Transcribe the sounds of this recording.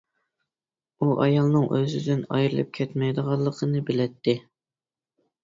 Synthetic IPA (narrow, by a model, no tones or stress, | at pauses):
uʔɑjɑlˠnɨŋʔøzɪd̪ɪnɑ̰jɾɨlˠɨ̰p̚kʲʰɛt̪mɛjd̪əʁɑlˠːəqʰənɨbɪlɛt̪ʰːɪ